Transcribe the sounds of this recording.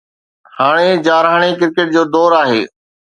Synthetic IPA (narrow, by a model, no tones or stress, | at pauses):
haːɽ̃ed͡ʑaːɾaːɽ̃ekɪɾkeːʈ̚d͡ʑoːd̪ɔːɾaːɦeː